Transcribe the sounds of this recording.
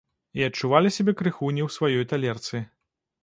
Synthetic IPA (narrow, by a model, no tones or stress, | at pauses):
iɐt͡ʂːuvalʲisʲabʲɛkɾɨxunʲiwsvajɔjt̪alʲɛrt̪sɨ